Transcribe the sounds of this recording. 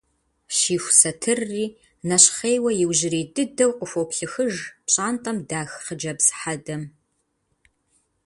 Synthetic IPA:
ʃiːxʷsɐtʰɨrːiː | nɐɕχeːjwɐjɪwʑɪɾiːdɨdɐwqʷʼʊfopɬɨxɨʒpɕʼaːntʼɐmdaːxχəd͡ʒɐbsħadɐm

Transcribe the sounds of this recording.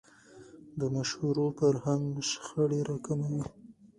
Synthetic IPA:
d̪əmaʃhuɾopəɾhaŋɡʃxəɽeɾakamawi

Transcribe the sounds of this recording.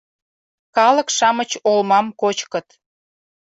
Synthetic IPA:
kɑlə̆kʃɑmət͡ɕolmɑmkot͡ɕkə̆t̪

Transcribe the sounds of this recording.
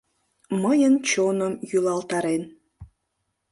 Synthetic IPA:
məjənt͡ɕonəmjylɑlt̪ɑɾen

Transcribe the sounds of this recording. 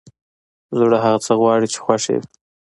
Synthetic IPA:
zuɽaɦaɣat͡səɣwɑɽit͡ʃe̥xwaʂḛw

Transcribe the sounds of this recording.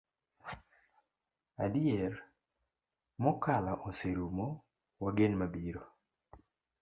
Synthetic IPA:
adiɛɾ | mɔkalaʔoseɾumɔ | waɡenmabiɾo

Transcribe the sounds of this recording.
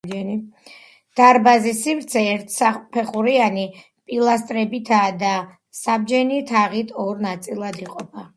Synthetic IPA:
d̪̥aɾbazisivɾt̪sʰɛɛɾt̪ʰsapʰɛχuɾiani | pʼilˠast̪ʼɾɛbit̪ʰaːd̪a | sabd͡ʒɛnit̪ʰaʁit̪ʰɔɾnat̪sʼilˠad̪iqʼɔpʰa

